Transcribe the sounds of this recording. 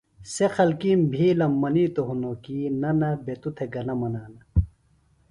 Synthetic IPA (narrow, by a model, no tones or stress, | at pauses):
sexʰɐlkimbʱiːlɐmːɐniːt̪oɦunokiːnɐnɐbet̪ut̪ʰeɡɐnɐmɐnaːnɐ